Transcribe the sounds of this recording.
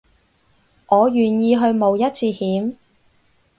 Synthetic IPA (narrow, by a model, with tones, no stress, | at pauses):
ŋʔɔː˨˧jyː˨˩njiː˧ɦɵ˧ɥmo˨˧wjɐ˥t̚t͡sʰiː˧hiː˨˥m